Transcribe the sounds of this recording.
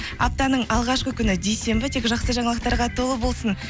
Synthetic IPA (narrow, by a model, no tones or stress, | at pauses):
ɑ̰p̚t̪ɑnəɴɑlˠʁɑʃqəkʲʰʏnɪd̪ejse̞mbɪt̪ʰekʒɑqsəʒɑɴɑlˠəqt̪ɑɾʁɑt̪ʰo̞lˠəbo̞lˠsən